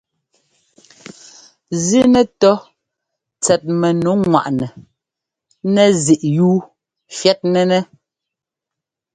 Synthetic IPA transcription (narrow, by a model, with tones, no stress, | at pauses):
zi˦nɛ˨tɔ˦ | t͡sɛ˨t̚mɛ˨nu˨˦ŋwa̰˨ʔnɛ˨ | nɛ˦zi˨ʔjuː˦ | fjɛ˦t̚nɛ˦nɛ˦